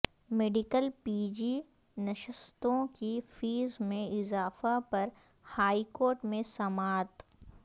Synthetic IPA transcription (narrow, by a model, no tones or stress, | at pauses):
meːɖikəlpiːd͡ʒi | nɐʃəst̪õkifiːzmẽɪzaːfapɐɾ | haːikoːɾʈmẽsɐmaːt̪